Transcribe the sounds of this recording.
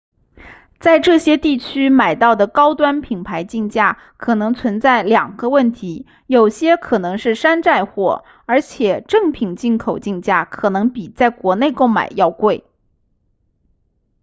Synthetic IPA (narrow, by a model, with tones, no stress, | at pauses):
t͡sa˥˧ɪʈ͡ʂɤ˥˩ɕjɛ˥t̪i˥˩t͡ɕʰy˥ma˨˩ɪt̪ɑ˥˩ʊd̪ə˩kɑ˥ʊt̪wa˥npʰi˨˩ŋpʰa˧˥ɪt͡ɕi˥˧ŋt͡ɕja˥˩ | kʰɤ˨˩nɤ˧˥ŋt͡sʰwə˧˥nt͡sa˥˩ɪljɑ˨˩ŋɡ̥ə˦wə˥˩nt̪ʰi˧˥ | jo˨˩ʊɕjɛ˥kʰɤ˨˩nɤ˧˥ŋʂɻ̩˥˩ʂa˥nʈ͡ʂa˥˧ɪxwɔ̰˨˩ | ə˞˧˥t͡ɕʰjɛ˨˩ʈ͡ʂɤ˥˩ŋpʰi˨˩ŋt͡ɕi˥˩nkʰo˨˩ʊt͡ɕi˥˧ŋt͡ɕja˥˩kʰɤ˨˩nɤ˧˥ŋpi˨˩t͡sa˥˩ɪkwɔ˧˥ne˥˧ɪko˥˩ʊma̰˨˩ɪjɑ˥˧ʊkwe˥˩ɪ